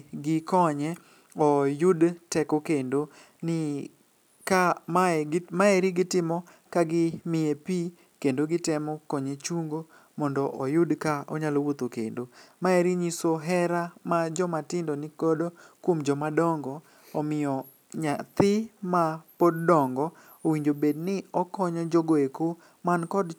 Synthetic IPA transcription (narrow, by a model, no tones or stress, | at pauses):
ɡɪkɔɲɛ | ɔjʊdtɛkɔkendo | nɪ | ka | maeɾiɡɪtɪmɔ | kaɡɪmɪjepi | kendoɡɪtɛmɔkɔɲet͡ʃuŋɡo | mɔndɔʔɔjʊdkaɔɲalowot̪okḛndomaeɾiɲisoɦɛɾamad͡ʒɔmatɪndɔnɪkɔdokwomd͡ʒɔmadɔŋɡɔ | ɔmɪjɔ | ɲat̪ɪmapoddɔŋɡɔ | owiɲd͡ʒobednɪɔkɔɲɔd͡ʒɔɡoeko | mankɔd